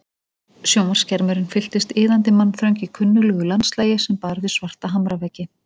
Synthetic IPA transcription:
sjowmar̥scɛɾmʏɾɪnfɪl̥t̪ɪst̪ɪːðant̪ɪmanːθɾœwɲcikʰʏnːʏlœːɣʏlanslaːjɪsɛmpaɾðɪsvar̥t̪aɦamɾavɛcːɪ

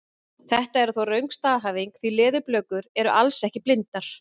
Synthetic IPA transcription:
θɛht̪aɛɾʏθowrœɥŋkst̪aːðɦaːviŋkθilɪːðʏplœːɥkʏɾɛɾʏʔalsɛhcɪplɪnt̪aɾ̥

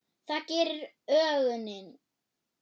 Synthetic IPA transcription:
θacɛːɾʏɾ | œːɣʏnɪn

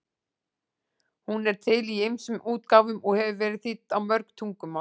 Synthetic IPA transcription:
hunɛɾ̥t̪ʰɪliejmsʏmuːt̪̚kaːwvʏmɔɣhɛvʏvɛːɾɪðθit̪ːawmœɾkt̪ʰuŋkʏmːa

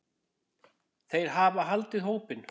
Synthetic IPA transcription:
θejɾ̥ɦaːvaɦalt̪ɪðɦoːwpɪn

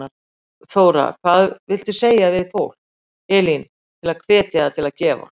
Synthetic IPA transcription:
a | θoːwɾa̰kʰvaðvɪlt̪ʏseːjavɪðfowl̥ | ɛːlin | t̪ʰɪlaðkʰv̥ɛːt̪jaðat̪ʰɪlaðcɛːva̰

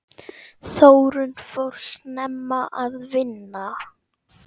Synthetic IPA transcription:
θowɾʏnfowɾ̥snɛmːaʔaðvɪnːa

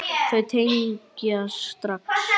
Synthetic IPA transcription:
θœt̪ʰejŋkaast̪ɾaks

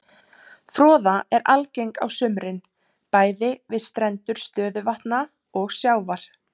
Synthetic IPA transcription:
fɾɔːðaɛɾa̰lcejŋka̰wsʏmɾɪn | paːjðɪvɪðst̪ɾɛnt̪ʏɾ̥st̪œːðʏvaht̪na | ɔɣsjawvaɾ̥

